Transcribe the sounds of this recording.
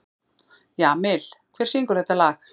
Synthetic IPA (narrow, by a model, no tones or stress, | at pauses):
jaːmɪl̥kʰv̥ɛ̥ːsiŋkʏɾ̥θɛht̪alaːx